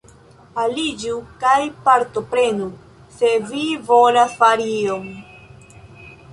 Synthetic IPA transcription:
alid͡ʒukajpaɾto̞pɾe̞nu | se̞vivo̞lasfaɾiiom

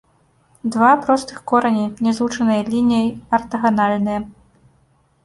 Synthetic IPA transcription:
d̪vapɾɔst̪ɨxkɔɾɐnʲinʲɛzlˠut͡ʂɐnɨjɐlʲinʲijɐjɐrt̪ɐɣɐnalʲnɨjɐ

